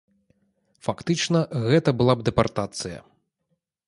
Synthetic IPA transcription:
fakt̪ɨt͡ʂnɐɣɛt̪ɐbɨlˠab̚d̪ɛpart̪at̪sɨjɐ̰

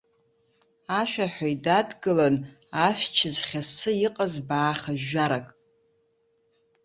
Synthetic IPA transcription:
aʃᶣaħʷᶣajdadɡɨlanafʷᶣt͡ʃʰɪzχʲasɨiqʼazbaːχaʒːaɾakʼ

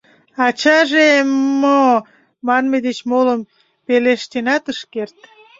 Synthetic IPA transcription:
ɑt͡ɕɑʒemo | mɑnmed̪et͡ɕmoləm | peleʃt̪enɑt̪əʃkert̪̚

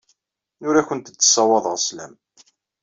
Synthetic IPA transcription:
nʊɾæçənt̪ət͡sːə̥sˤːɑwɑðˤəʁslæ̰m

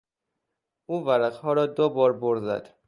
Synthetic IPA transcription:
ʔuːvæɾæqhɒːɾɒːd̪obɒːɾboɾzæ̰d̪̥

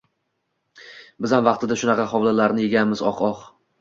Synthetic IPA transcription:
bɪzamvɑqt̪ʰɪd̪aʃʊnɑqʰɑhɒwlalaɾnɪjeɡʲanmɪzɒ̰qʰɒq

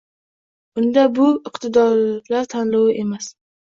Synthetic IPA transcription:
ʊnd̪abʊɪqt̪ʰɪd̪ɒlaɾt̪ʰanlɒwɪʔe̞mas

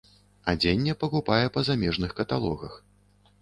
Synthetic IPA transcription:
ad͡zʲenʲːɛpɐkupajɛpɐzamʲɛʐnɨxkɐt̪alˠɔɣɐx

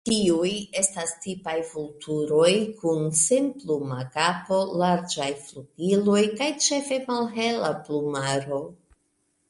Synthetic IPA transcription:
tiuje̞stastipajfultʰuɾo̞jkunsenplumakapo̞laɾd͡ʒajfluɡ̥ilo̞jkajt͡ʃe̞fe̞malɦe̞laplumaɾo̞

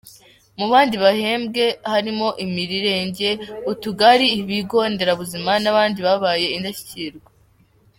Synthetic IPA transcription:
muβaːndiβahe̞ːmbɡe̞haɾimo̞ʔimiɾiɾe̞ːɲɟe̞utuɡaɾiːβiɡo̞ːnde̞ɾaβuzimanaβaːndiβaβaːje̞indaçi̥ciɾɡe

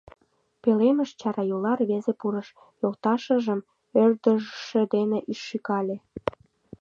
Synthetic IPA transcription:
peleməʃt͡ɕɑɾɑjulɑrβezepuɾəʃ | jolt̪ɑʃə̆ʒəm | ørd̪əʒəʃĕd̪eneʔiʃːykɑlʲe

